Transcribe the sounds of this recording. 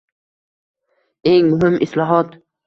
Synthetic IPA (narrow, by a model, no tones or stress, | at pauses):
eŋmʊɦɪmʔɪslɒɦɒt̪